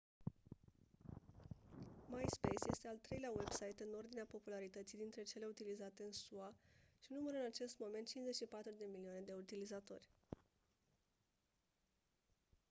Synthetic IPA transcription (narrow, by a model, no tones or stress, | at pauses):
majspejsje̞st̪e̞alt̪ɾe̞jleawe̞bsajt̪ɨno̞rd̪ineapo̞pulaɾit̪ət̪sijd̪int̪ɾe̞t͡ʃe̞le̞ut̪ilizat̪e̞ɨnsuaʃinuməɾɨnat͡ʃe̞st̪mo̞me̞nt̪̚t͡ʃinze̞t͡ʃʲʃipat̪ɾud̪e̞milioane̞d̪e̞ut̪ilizat̪o̞̰rʲ